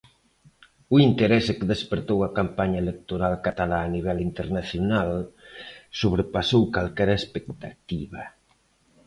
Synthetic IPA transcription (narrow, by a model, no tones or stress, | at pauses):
uint̪eɾɛsekeðespeɾt̪owɐkampaɲɐelek̚t̪oɾalkat̪alaːniβ̞ɛlint̪eɾnaθjonal | soβ̞ɾepasowkalkɛɾɐespekt̪at̪iβa